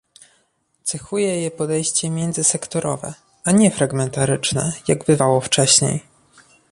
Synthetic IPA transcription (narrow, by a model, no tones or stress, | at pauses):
t̪sɛxujɛjɛpɔd̪ɛjɕt͡ɕɛmʲjɛnd̪zɘsɛkt̪ɔɾɔ̰vɛ̰ | ʔaɲɛfɾaɡmɛnt̪aɾɘt͡ʂnɛ̰jaɡbɘvawɔft͡ʂɛɕɲḛj